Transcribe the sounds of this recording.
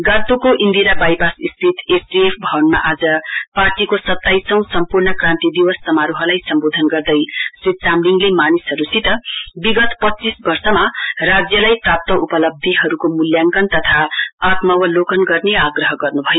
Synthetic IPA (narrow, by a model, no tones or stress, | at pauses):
ɡat̪ukoʔind̪iɾabajbasist̪ʰit̪esdiepʰbʱʌwnma̰ʔad͡zʌparʈikosʌt̪ːajsʌw̃sʌmpurnʌkrãnt̪id̪iwʌsːʌmaɾuɦʌlajsʌmbod̪ʱʌnɡʌrd̪ʌjsrit̪̚t͡samliŋɡlemanisɦʌɾusit̪ʌbiɡʌt̪pʌt͡sisbʌrsʌmarad͡zjʌlajprap̚t̪ʌupʌlʌb̚d̪ʱiɦʌɾukomuljaŋkʌnt̪ʌt̪ʰaːt̪mʌwʌlokʌnɡʌrneaɡrʌɦʌɡʌrnubʱʌjo